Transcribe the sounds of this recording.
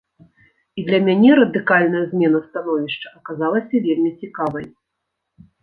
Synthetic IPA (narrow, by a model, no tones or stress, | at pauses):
id̪lʲɐmʲanʲɛɾɐd̪ɨkalʲnɐjɐzʲmʲɛnɐst̪anɔvʲiʂt͡ʂɐʔɐkazalˠɐsʲɐvʲelʲmʲit͡sʲikavɐj